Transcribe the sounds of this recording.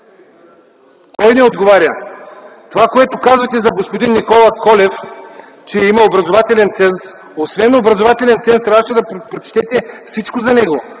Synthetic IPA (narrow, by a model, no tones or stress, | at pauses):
k̪ɔjnɛod̪ɡovaɾʲjə | t̪ovakoɛt̪okazvɐt̪ɛzɐɡospod̪inːikɔlˠɐkɔlɛf | t͡ʃɛimɐobɾɐzovat̪ɛlɛnt̪sɛns | osvɛnobɾɐzovat̪ɛlʲɛnt̪sɛnsɾaʃɛd̪ɐpɾot͡ʃt̪ɛt̪ɛfsit͡ʃkozɐnɛɡo